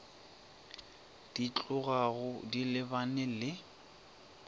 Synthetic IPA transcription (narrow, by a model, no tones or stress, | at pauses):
d̥it͡ɬʼʊɣaɣʊdilɪbanɛlɪ